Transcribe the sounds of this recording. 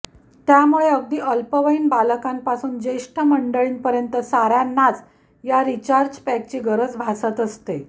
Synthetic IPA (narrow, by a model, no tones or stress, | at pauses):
t̪jamuɭeəɡ̚d̪iːəlpəʋəiːnbaləkampasuːnd͡ʑeʂʈʰəməɳɖəɭiːnpəɾjənt̪əsaɾjanːat͡s | jaɾit͡ɕaɾd͡ʑpæk̚t͡ɕiːɡəɾəd͡zbʱasət̪əst̪e